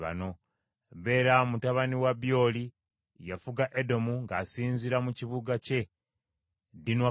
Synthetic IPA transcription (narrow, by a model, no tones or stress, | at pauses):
βa̰no̞ | βe̞ːɾamutaβaniwabjo̞ːli | jafuɡaʔedo̞muŋɡasiːnziɾamuciβuɡace̞ | dinwa